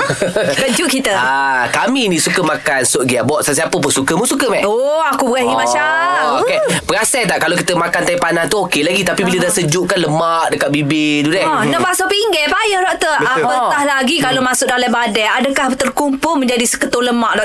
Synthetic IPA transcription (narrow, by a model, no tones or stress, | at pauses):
kəd͡ʒʊʔkit̪əakaminĩsukəmakansʊʔɡiaʔbɔʔsəsiapəpʊsukəmusukəmɛɔakubəɾaɦimat͡ʃaokepəɾasajt̪aʔkalowkit̪əmakant̪ajpanaht̪uokelaɡit̪apibilədasəd͡ʒuʔkanləmaʔdəkat̪̚bibɪd̪udɛnəpasapiŋɡɛpajəhɾɔʔt̪əabət̪ahlaɡikalomasʊʔ̚dalajbadɛadəkaht̪ərkumpʊlmə̃ɲd͡ʒadisə̥kət̪oləmaʔdɔʔ